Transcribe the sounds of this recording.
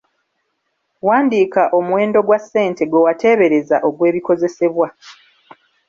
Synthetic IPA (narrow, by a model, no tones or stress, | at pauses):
waːndiːkaʔo̞muwe̞ːndo̞ɡwasːe̞ːnte̞ɡwewate̞ːβe̞ɾe̞zaʔo̞ɡwe̞ːβiko̞ze̞se̞βwa